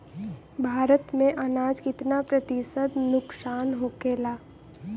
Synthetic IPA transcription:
bʱaːɾət̪mẽʔɐnaːd͡ʒkɪt̪napɾət̪ɪsəd̪nʊksaːnɦokeːlaː

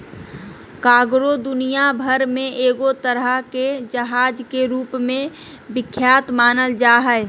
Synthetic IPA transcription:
kaːɡɾod̪ʊnijabʱəɾmẽʔeːɡot̪əɾəɦked͡ʒəɦaːd͡ʒkeɾuːpmẽ | bɪkʰːjaːt̪maːnəld͡ʒaːɦɛe

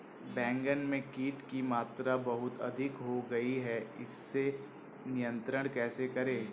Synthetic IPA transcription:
bɛ̃ːŋɡənmẽkiːʈkimaːt̪ɾabɐɦʊt̪ɐ̰d̪ʱɪkɦoɡɐiɦɛɪ̰sːe | nɪjə̃nt̪ɾəɽ̃kɛːsekɐɾẽː

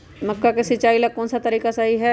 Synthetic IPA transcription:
mɐkːakesɪt͡ʃaːilakːɔːnsat̪ɐɾiːkasaɦiɦɛ

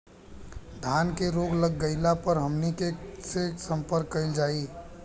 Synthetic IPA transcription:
d̪ʱaːnkeɾoːɡləɡːəɪlapəɾɦəmnikesesə̃mpəɾkːəɪld͡ʒaːi

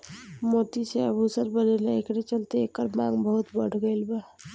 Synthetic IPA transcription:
mot̪iseəbʱusəɾbəɾeleekɾet͡ʃəlt̪eekəɾmaɡbəɦut̪bəɽ̤ɡəjlba

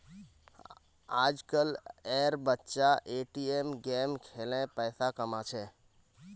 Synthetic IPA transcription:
ad͡ʒkəleɾbətːʃaʔeʈiemɡemkʰelẽpəɪsakəmat͡ʃʰɛ

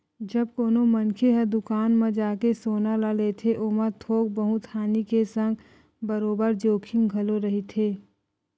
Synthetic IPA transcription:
d͡ʒɐb̚koːnomɐ̃nkʰeɦɐd̪ʊkaːnmẽd͡ʒaːkesoːnalalet̪ʰeʔoːmət̪ʰoːk̚bəɦũt̪ʰaːnikesə̃ŋɡ | bəɾoːbəɾd͡ʒoːkʰɪ̃ŋɡɡʱɐloɾɐɦit̪ʰeː

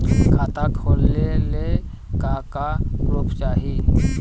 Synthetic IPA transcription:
kʰaːt̪akʰoːlːele | kaːkaɡɾʊpt͡ʃaːɦi

